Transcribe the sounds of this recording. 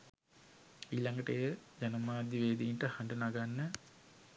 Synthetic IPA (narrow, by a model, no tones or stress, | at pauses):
iːlaŋɡəʈəjəd͡ʒanəmaːd̪jiʋeːd̪iːɳʈəhaɳɖənaɡanːə